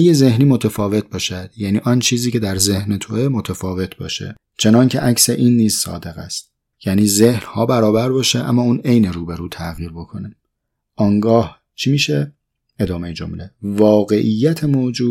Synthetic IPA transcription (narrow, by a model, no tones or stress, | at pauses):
jeze̞hniːmo̞t̪ʰefɒːve̞t̪̚bɒːʃæd̪̥jæniːʔɒːnt͡ʃʰiːziːcʰed̪æɾze̞hnet̪ʰoemot̪ʰefɒːve̞t̪ʰbɒ̰ːʃḛ | t͡ʃʰe̞nɒŋcʰe̞̰ʔæcse̞ʔiːnːiːz̥sɒ̰ːd̪e̞ɣæ̰st̪ | jæniːze̞hnhɒːbæɾɒːbæɾbɒːʃeʔæ̰mːɒːuːne̞jneɾuːbe̞ɾuːt̪ʰæɣiːɾbo̞kʰo̞ni | ɒːŋɡɒːh | t͡ʃʰimiːʃe | ed̪ɒːmejed͡ʒo̞̰mle̞vɒːɣe̞ʔijːæt̪ʰe̞moːd͡ʒuːd̪